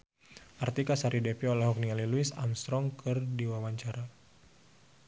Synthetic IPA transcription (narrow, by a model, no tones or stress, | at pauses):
ʔart̪ikasaɾidɛpiɔlɛhɦɔk̚nialiluɪsa̰mst̪ɾɔŋkɨrdiwawaɲt͡ʃaɾa